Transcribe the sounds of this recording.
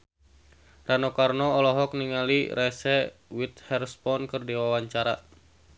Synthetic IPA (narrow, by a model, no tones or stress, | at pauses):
ranokarnɔːlɔɦɔk̚niŋaliɾɛsɛwit̪̚hɛrspɔnkɨrdiwawaɲt͡ʃaɾa̰